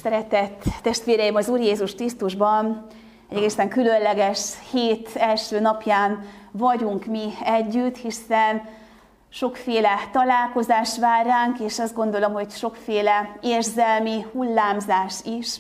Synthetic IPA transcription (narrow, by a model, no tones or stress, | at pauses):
sɛɾɛt̪ɛt̪ːɛʃt̪ʋeːɾɛjimɒzuːrjeːzuʃkrist̪uʒbɒn | ɛɟɛɡeːsɛŋkylø̞nlɛɡɛʃheːt̪ɛlʃøːnɒpjaːnvɒɟuŋkmiɛɟːyt̪ːhisɛn | ʃo̞kfeːlɛt̪ɒlaːlko̞zaːʃt̪ʋaːrːaːŋkeːʃɒzd̪ɡo̞nd̪o̞lo̞mho̞cʃo̞kfeːlɛeːrzɛlmihulːaːmzaːʃiʃ